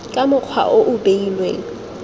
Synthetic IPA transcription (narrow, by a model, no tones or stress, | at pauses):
kʼamʊk͡xʰwa̰ʔoʔʊbeilwe